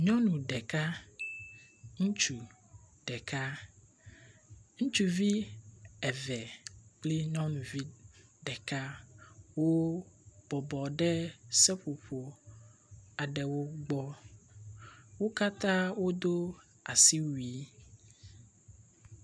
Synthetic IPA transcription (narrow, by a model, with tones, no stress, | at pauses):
ɲɔ̃˦nũ˨ɖɛ˨ka˦ | ŋũ˦t͡ʃu˨ | ɖ̥ɛ˨ka˦ | ŋũ˦t͡ʃu˨vi˦ɛ˨vɛ˨k͡ple˦ɲɔ̃˦nũ˨vi˦ɖɛ˨ka˦wo˦b̥ɔ˨bɔ˨ɖɛ˦sɛ˦ɸo˨ɸo˨ | a˨ɖɛ˨wo˦ɡ͡bɔ˦ | wo˦ka˦t̪ã˦wo˦d̪o˦ | a˨si˦wi˦